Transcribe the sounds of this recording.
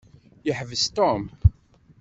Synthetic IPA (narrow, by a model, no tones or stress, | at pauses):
jəħvəst̪ɔm